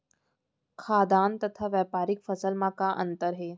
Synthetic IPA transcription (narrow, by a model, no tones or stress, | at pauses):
kʰad̪ant̪ət̪ʰaʋjapaɾikfəsəlmakaʔənt̪əɾɦe